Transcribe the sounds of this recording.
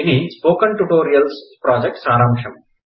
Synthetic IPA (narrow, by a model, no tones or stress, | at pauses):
inispoːkɐ̃nʈuʈoːɾiɐlspɾɔːd͡ʒek̚ʈsaːɾãːmkʂɐ̃m